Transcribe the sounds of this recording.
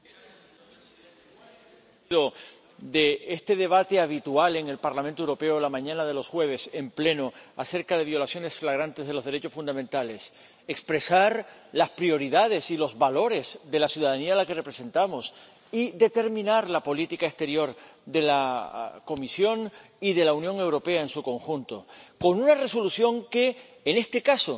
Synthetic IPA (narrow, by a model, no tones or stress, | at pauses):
ðo̞ | d̪e̞est̪e̞ðe̞β̞at̪e̞aβ̞it̪uale̞ŋe̞lpaɾlamẽnt̪owɾo̞pe̞olamãɲãnað̞e̞lo̞sxwe̞β̞e̞se̞mple̞no̞ase̞ɾkaðe̞β̞jo̞lasjo̞ne̞sflaɣ̞ɾant̪e̞zðelo̞zðe̞ɾe̞t͡ʃo̞sfund̪amẽnt̪ale̞s | ekspɾe̞saɾlaspɾio̞ɾiðað̞e̞silo̞zβalo̞ɾe̞zðe̞lasjuðaðanialake̞repɾe̞se̞nt̪amo̞s | iðe̞t̪e̞ɾmĩnaɾlapo̞lit̪ikaest̪e̞ɾjo̞ɾðe̞lako̞misjo̞ŋ | iðe̞launjõ̞ŋe̞wɾo̞pe̞ae̞nsuko̞ŋxunt̪oko̞nunare̞so̞lusjo̞ŋke̞ː | ne̞st̪e̞kaso̞